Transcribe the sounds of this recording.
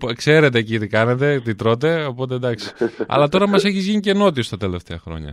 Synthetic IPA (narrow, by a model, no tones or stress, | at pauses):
pkse̞ɾe̞t̪̬e̞cit̪ikɐne̞t̪̬e̞t̪it̪ɾo̞t̪̬e̞o̞po̞t̪e̞d̪ɐksi̥ɐ̰lɐt̪o̞ɾɐmɐse̞çizʝiɲiceno̞t̪iost̪ɐt̪e̞le̞ft̪eɐxɾo̞̰ɲɐ̰